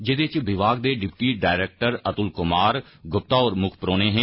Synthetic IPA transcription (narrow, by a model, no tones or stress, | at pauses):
d͡ʒɪd̪et͡ʃʋɪʋaːɡd̪eːɖɪpʈiːɖaːɪɾeːk̚ʈəɾət̪ʊlkʊmaːɾ | ɡʊp̚t̪aːɔːɾmʊkʰpɾoːneːɦɛ̃ː